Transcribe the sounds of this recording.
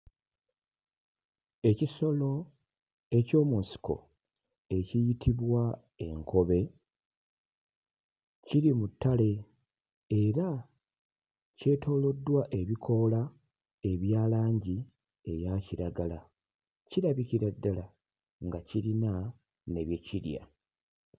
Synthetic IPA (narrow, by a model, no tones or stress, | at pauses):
e̞ciso̞lo̞ | e̞co̞ːmunsi̥ko̞̰ | e̞cijitʰiβwa | e̞̰ŋkʰo̞βe̞ | ciɾimutːale̞ | eɾa | ce̞tʰo̞ːlo̞dːwaʔe̞βikʰo̞la | e̞βjaːlaːɲɟi | e̞jaciɾaɡala | ciɾaβiciɾadːala | ŋɡaciɾina | ne̞βjeciɾja̰